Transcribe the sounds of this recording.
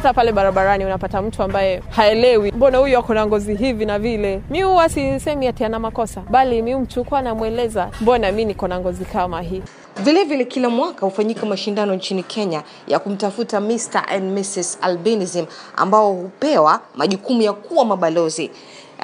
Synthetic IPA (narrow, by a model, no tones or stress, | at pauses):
tapalɛɓaɾaɓaɾaniunapatam̩tuambajɛhaɛlɛwimbɔnahujuakɔnaŋɡɔziɦivinavilɛmiuwasisɛmiatɛanamakɔsaɓalimium̩tukuanamwɛlɛzambɔnaminikɔnaŋɡɔzikamaɦi | vilɛvilɛkilamwakahufaɲikamaʃindanɔɲt͡ʃinikʰɛɲa | ja̰kum̩tafutamista̰ʔɛnmisisa̰lbɛnizima̰mbaɔhupɛwamaʄukumujakuwamaɓalɔzi